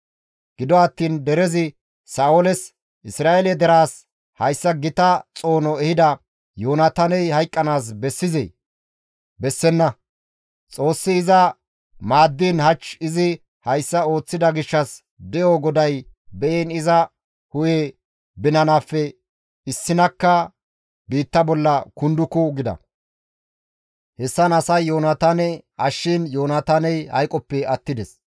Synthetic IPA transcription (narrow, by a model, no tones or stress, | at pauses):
ɡ̥ɪd̪ɔɐt̪ːiːnd̪ɛɾɛzɪ | saːwɔlɛs | ʔɪsɾaːʔɛlɛd̪ɛɾaːs | hɐjsːɐɡɪt̪ɐt͡sʼo̞ːnɔɛhɪd̪ɐ | joːnɐt̪ɐnɛjhɐjkʼːɐnaːs̬bɛsːɪzḛː | bɛsːɛnːɐ | t͡sʼo̞ːsːɪːzɐ | maːd̪ːiːnhɐt͡ʃːɪzɪ | hɐjsːɐo̞ːt͡sːɪd̪ɐɡɪʃːɐs | d̪ɛjoːɡɔd̪ɐj | bɛʔeːnɪzɐ | hʊje | bɪnɐnaːfːɛ | ɪsːɪnɐkːɐ | biːt̪ːɐbɔlːɐkʊnd̪ʊkːʊɡɪd̪ɐ̰ | hɛsːɐnɐsɐjːo̞ːnat̪anɛɐʃːɪnjo̞ːnat̪anɛjhɐ̰jkʼɔpːɛɐt̪ːɪd̪ɛs